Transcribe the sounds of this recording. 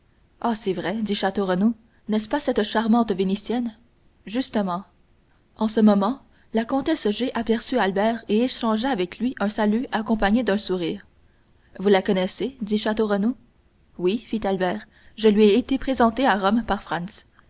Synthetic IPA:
asɛvʁɛd̪iʃat̪oʁəno | nɛspasɛt̪ʃaʁmɑ̃t̪venisjɛn | ʒyst̪əmɑ̃ | ɑ̃səmɔmɑ̃ | lakɔ̃t̪ɛsʒeʔapɛʁsyalbɛːʁeeʃɑ̃ʒaːvɛklɥiʔœ̃salyakɔ̃paɲed̪œ̃suʁiːʁ | vulakɔnɛsed̪iʃat̪oʁəno | wifit̪albɛːʁ | ʒəlɥieet̪epχezɑ̃t̪eaʁɔmpaʁfχãns

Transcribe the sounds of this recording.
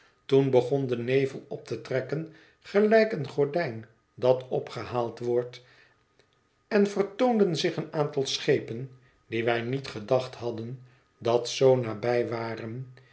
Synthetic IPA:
tunbəχɔndənejvəlˠɔp̚tʰətrɛkən | χəlɛjkənχɔɹdɛjn | dɑtɔpχəhaːlˠtʋɔɹt | ɛnvərtowndənzɪχənaːntɑlˠsχejpən | diʋɛjnitχədɑχthɑdən | dɑtsownaːbɛjʋaːrən

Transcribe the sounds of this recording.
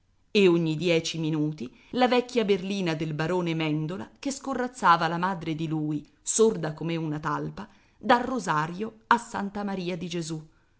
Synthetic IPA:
eoɲːid̪jɛːt͡ʃiminuːt̪i | lavɛkːjaberliːnad̪elbaɾoːnemɛnd̪ola̰keskorːat̪sːaːvalamaːd̪ɾed̪iluːi | sord̪akomeunat̪alpa | d̪alrːozaːɾjoasːant̪amaɾiːad̪id͡ʒezu

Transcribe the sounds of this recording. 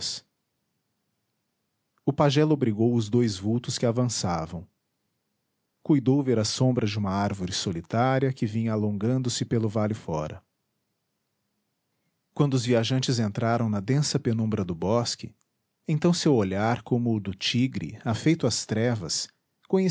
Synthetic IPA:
s | ʊpaʒɛlobɾiɡowʊzd̪ojzvuwt̪ʊskɪavɐ̃savɐ̃w̃ | kujd̪owveɾɐsõmbɾɐd͡ʒɪũmɐaɾvoɾɪsolit̪aɾiɐkɪvĩɲɐalõŋɡɐ̃nd̪ʊsɪpelʊvaljʊfɔ̰ɾɐ̰ | kwɐ̃nd̪ʊʊzviaʒɐ̃nt͡ʃɪzẽnt̪ɾaɾɐ̃w̃nɐd̪ẽsɐpenũbɾɐd̪ʊbɔskɪ̰ | ẽt̪ɐ̃w̃sewoʎaɾkõmʊd̪ʊt͡ʃiɡɾɪ̰afejt̪ʊɐst̪ɾɛvɐs | kõɲe

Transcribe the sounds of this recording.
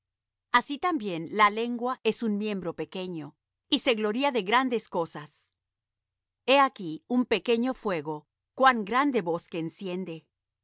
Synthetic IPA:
asit̪ambje̞nlale̞ŋɡwaʔe̞sunmje̞mbɾo̞pe̞ke̞ɲo̞ | ise̞ɣlo̞ɾiaðe̞ɣɾand̪e̞sko̞sas | e̞akiumpe̞ke̞ɲo̞fwe̞ɣo̞ | kwaŋɡɾand̪e̞βo̞ske̞ːnsje̞nd̪e̞

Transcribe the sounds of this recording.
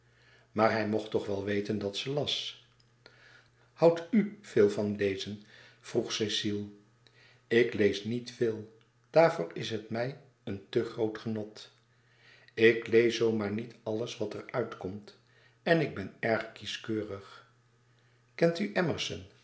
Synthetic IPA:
maːɹɦɛjmɔχtɔχʋɛlˠʋejtəndɑtsəlɑs | hʌwtyv̥ɪːlˠvɑnlejzən | v̥ruχsesilˠ | ɪklejsnitfɪːlˠ | d̥aːɹvʊːɹɪsɦətmɛj | əntəχrowtχənɔt | ɪklejsowmaːɹnitɑləsʋɑtəɹœɥtkɔmt | ɛnɪɡ̚bɛnɛɹχkiskøːrəχ | kɛntyʔɛməɹsə̰n

